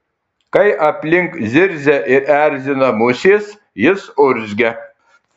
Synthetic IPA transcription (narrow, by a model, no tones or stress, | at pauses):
kɐjʔɐpʲlʲɪŋkzʲɪɾʲzʲæʔɪɾæɾʲzʲɪnɐmusʲes | jɪsoɾʲzʲɡʲɛ